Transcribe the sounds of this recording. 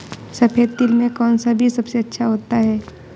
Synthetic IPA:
sɐpʰeːt̪ːɪlmẽkɔːnsabʱisɐbseɐtːʃʰaɦoːt̪aɦɛː

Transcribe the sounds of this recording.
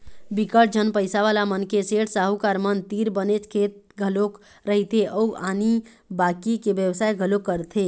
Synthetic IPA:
bikəʈ̚d͡ʒənpəjsaʋalamənkeseɽsaɦukaɾmənt̪iɾbənet͡ʃkʰet̪̚ | ɡʱəlok | ɾəɦit̪ʰeʔɔuʔani | bakikebjəwsajɡʱəlokːəɾt̪ʰe

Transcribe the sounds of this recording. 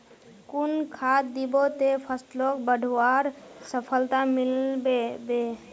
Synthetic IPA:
kunkʰat̪d̪ibot̪epʰəsʈlokbəɖʱaɾsəpʰəlt̪amilbebe

